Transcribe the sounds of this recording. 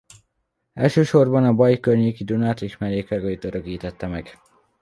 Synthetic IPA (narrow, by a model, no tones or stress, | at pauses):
ɛlʃøːʃo̞rbɒnɒbɒjikørɲeːkid̪unat̪iʃmɛɾeːkɛɡojit̪øɾøkiːt̪ɛt̪ːɛmɛɡ